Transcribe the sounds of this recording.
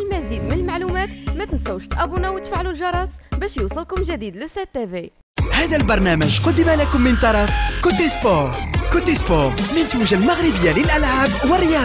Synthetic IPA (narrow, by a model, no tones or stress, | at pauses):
lmæzid̪mənəlmaʕlumæt̪mæt̪ənsæwːʃt̪ʔæbunæwət̪faʕlulʒɑɾˤɑsˤbæʃjusˤəlkʊmʒæd̪id̪lʊst̪æd̪̚t̪ːævi | hæd̪ælbɑɾˤnæməʒqʊd̪ːəmalækʊmːənt̪ɑɾˤɑfkʊt̪ːispoɾkʊt̪ːispɔɾmənt̪əʒalmaɣɾəbəjːaləlʔælʕaːbwərːɪjɑ